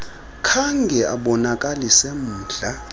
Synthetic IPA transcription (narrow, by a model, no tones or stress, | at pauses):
kʰaŋɡʱɛʔa̰ɓɔnakʼalisem̩ːɮa